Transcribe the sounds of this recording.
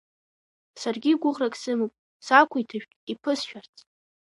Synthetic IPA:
sarɡʲiɡʷʊʁrakʼsɨmɨpʷʼ | sakʷʰʊitʰaʃᶣtʼipʰɨsʃᶣart͡sʼ

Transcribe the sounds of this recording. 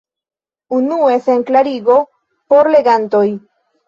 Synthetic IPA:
unue̞seŋklaɾiɡo̞ | po̞ɾle̞ɡant̪o̞j

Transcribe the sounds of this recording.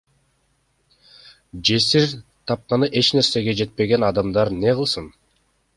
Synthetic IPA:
d͡ʒe̞siɾt̪ʰɑp̚qɑnɯʔe̞t͡ʃne̞ɾse̞ɡe̞d͡ʒe̞t̪̚pe̞ɡe̞nɑd̪ɑmd̪ɑɾne̞ʁɯlˠsɯn

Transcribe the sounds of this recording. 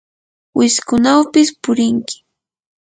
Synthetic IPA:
wɪskʊnawpɪspʊɾɪŋkɪ̥

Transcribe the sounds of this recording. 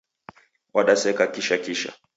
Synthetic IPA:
wʔaɗasɛkakiʃakiʃa̰

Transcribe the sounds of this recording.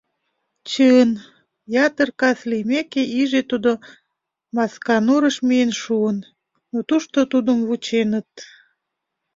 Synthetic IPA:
t͡ɕən | jɑt̪ərkɑslimekeiʒet̪ud̪o | mɑskɑnuɾəʃmiənʃuən | not̪uʃt̪ot̪ud̪əmβut͡ɕenət̪̚

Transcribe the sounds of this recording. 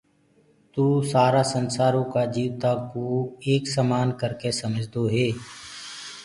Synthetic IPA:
t̪uːsaːɾasə̃nsaːɾõkad͡ʒiːʋt̪akoːeːksamaːnkəɾkesəməd͡ʒʱd̪oːɦeː

